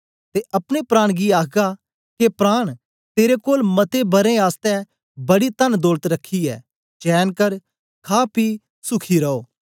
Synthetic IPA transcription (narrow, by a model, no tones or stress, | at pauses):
t̪eʔɐpɽ̃epɾaːɽ̃ɡiaːkʰɡa | kepɾaːɽ̃ | t̪eːɾekoːlmɐt̪ebɐɾẽaːst̪ɛ | bɐɽit̪ɐnd̪oːlət̪ɾɐkʰːiɛ̰ː | t͡ʃɛːnkəɾ | kʰaːpiː | sʊkʰiɾɐoː